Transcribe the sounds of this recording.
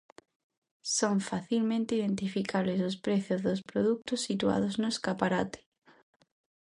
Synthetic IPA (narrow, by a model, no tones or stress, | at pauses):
soɱfaθilmẽnt̪eiðẽnt̪ifikaβlezospɾeθjozðospɾoðuk̚t̪osːit̪ua̰ðoznoeskapaɾat̪e̥